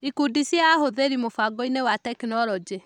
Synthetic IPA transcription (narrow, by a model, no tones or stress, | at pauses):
ikudisjaːhoðeɾimofaɡɔinewatɛkinɔɾɔd͡ʒe